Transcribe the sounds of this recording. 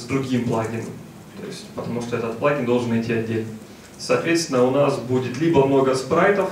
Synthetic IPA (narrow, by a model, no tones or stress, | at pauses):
zd̪ɾʊɡʲimplˠaɡʲɪnə̰m | t̪o̰ɪsʲtʲpət̪ɐmuʂt̪oɛt̪ət̪plˠaɡʲɪnd̪o̞lˠʐɨnɐɪtʲːiɐdʲːelʲnə | sɐːt̪vʲet̪st̪ʲɪnːəʊnasbudʲɪt̪lʲibəmno̞ɡəspɾajt̪əf